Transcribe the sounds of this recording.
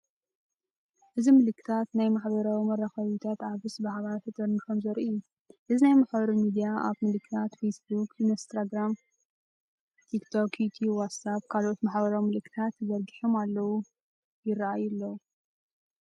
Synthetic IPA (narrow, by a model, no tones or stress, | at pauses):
ʔɨzimɨlɨkːɨ̥t̪ʰat̪najmaħbɐɾawimɐrːaxɐβit̪ʰat̪ʕaβɨsbɨhaβaɾfɨt̪ʼɨɾnkʰɐmzɐɾʔiju | ʔɨzinajmaħbɐɾɐwmid̪ijaʔa̰βmɨlɨkʰːɨt̪ʰat̪fesbukinst̪ɾaɡɾam | t̪ʰikt̪ʰokʰjut̪ʰiwat̪sab̚kʰalʔot̪maħbɐɾawmɨlɨkʰːɨ̥t̪ʰat̪zɐɾɡiħomalːɐwu | jɪraʔajulːɐwu